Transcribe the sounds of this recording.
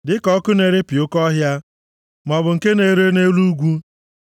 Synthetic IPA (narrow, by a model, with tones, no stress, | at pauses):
dɪ˦kɔ˦kʊ˦ne˨ɾe˦pi˨o˦kɔ˦ɦja˦ | mɔ˨bʊ˨ŋ̩˨ke˦ne˨˦ɾe˦ne˦lu˦ɡʷu˦